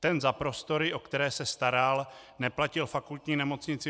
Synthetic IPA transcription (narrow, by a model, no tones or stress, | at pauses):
t̪ɛnzapɾo̞st̪o̞ɾɪʔo̞kt̪ɛɾɛːsɛst̪aɾal | nɛplacɪlfakult̪ɲiːnɛmo̞t͡sɲɪt͡sɪ